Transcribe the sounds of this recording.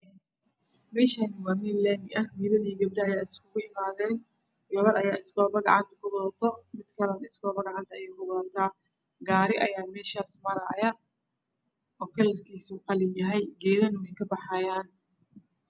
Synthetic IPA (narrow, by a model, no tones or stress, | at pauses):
mɛːʃaːnɪwaːmɪlɛːmɪʔɐhdiːβɐðiːɡɐb̚ɖɐːjaːɪskʰʊɣʊɪmaːðɛːn | jɔlɐɾɐjaːɪsɡɔːβɐɡɑʕɑnt̪ʰɐ̥kʊbɔðt̪ʰɔmɪd̪̥kʰɐlɐnɪsɡɔːβɐɡɑʕɑnt̪ʰɐɐjɛːkʊbɐðt̪ʰaː | ɡaːɾɪʔɐjaːmɛːʃaːsmɐɾɐjɐ | ɔːkʰɐlɐrkʰiːsuːqɑlɪjɐɦɛjɡɛːðɐnɪnɛjkʰɐbɑħɑjaːn